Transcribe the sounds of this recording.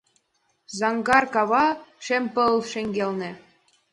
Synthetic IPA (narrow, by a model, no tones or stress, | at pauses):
zɑŋɡɑrkɑβɑʃempɤ̆lˠʃĕŋɡʲelnĕ